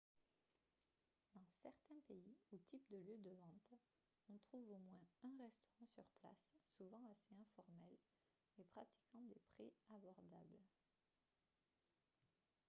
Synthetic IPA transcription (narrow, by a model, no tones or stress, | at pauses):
d̪ɑ̃sɛʁt̪ɛ̃peiut̪ipd̪əljød̪əvɑ̃t̪ | ɔ̃t̪χuvomwɛ̃ɛ̃ʁɛst̪ɔʁɑ̃syʁpla̰sːuvɑ̃aseɛ̃fɔʁmɛl | epχat̪i̥kɑ̃d̪epχeabɔʁd̪abl